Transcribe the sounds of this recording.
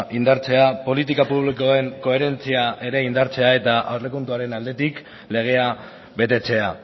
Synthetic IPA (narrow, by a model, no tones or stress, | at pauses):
ʔind̪aɾt͡se̞apo̞lit̪ikapuβ̞likoe̞ŋko̞e̞ɾe̞nt͡siaʔe̞ɾe̞ind̪aɾt͡se̞ae̞t̪aʔawrle̞kunt̪uaɾe̞nald̪e̞t̪ik | le̞ɣ̞e̞a | βe̞t̪e̞t͡se̞a